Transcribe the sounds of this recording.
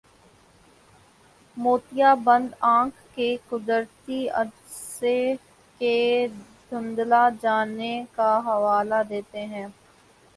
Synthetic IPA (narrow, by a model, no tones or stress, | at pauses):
moːt̪ijabɐ̃nd̪ãːkʰkekʊd̪əɾt̪iɐ̰d | se | ked̪ʱʊ̃nd̪lad͡ʒaːnekaɦɐʋaːlad̪eːt̪eɦɛ̃ː